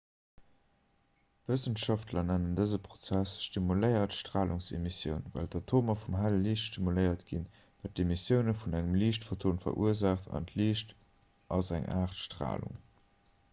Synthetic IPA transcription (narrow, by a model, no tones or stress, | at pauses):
v̥əsənʃɑftʰlɐnænəndəzəpʁot͡sæsʃtimuləɪɐtʃtʁ̥aːluŋsḛmisjə̰ʊnvæ̰ldɑtʰoːmɐfumɦæləliːʃtʃtimuləɪɐtɡ̥in | væːt̚emisjəʊnəfunæŋəmliːʃtfotʰoːnfɐ̰ʔṵəɐzaːχtʰɑ̰ntʰliːʃt | ʔɑzæŋʔa̰ːχtʃtʁ̥a̰ːlṵŋ